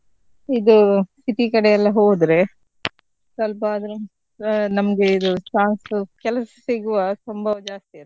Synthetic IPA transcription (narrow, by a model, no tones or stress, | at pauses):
id̪ust̪ʰit̪ikɐɽɛjɐlːɐɦoːd̪ɾe̞ | sɐlpɐaːd̪ɐɾu | nɐmɐɡe̞id̪ut͡ʃaːnskɛlɐsɐ̥siɡuʋɐsɐmbʱɐʋɐd͡ʒaːst̪ijɐ